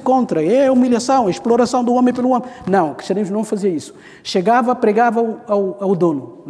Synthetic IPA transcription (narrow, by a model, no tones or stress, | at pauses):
kõnt̪ɾɐɛumiljɐsɐ̃w̃ɐeʃploɾɐsɐ̃w̃d̪uomẽpeluomẽnɐ̃w̃kɾiʃt̪ɐɾĩmuʒnɐ̃w̃fɐziɐisu̥ | ʃeɡavɐpɾeɡavɐuawawd̪onu